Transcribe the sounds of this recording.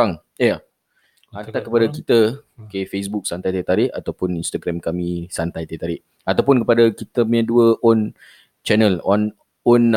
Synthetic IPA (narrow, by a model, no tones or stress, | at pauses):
aŋ | ja | ant̪akːəpadakit̪əkefes̬buk̚sant̪ajt̪et̪aɾɪʔa̰t̪awpʊninst̪aɡɾɛmkamĩsant̪ajt̪et̪aɾɪʔ | at̪awpʊnkəpadakit̪əmaɲãduəɔn | t͡ʃɛnəlan | ɔn